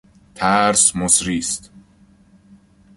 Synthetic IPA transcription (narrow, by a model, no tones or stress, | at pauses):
t̪ʰæɾsmosɾiːst̪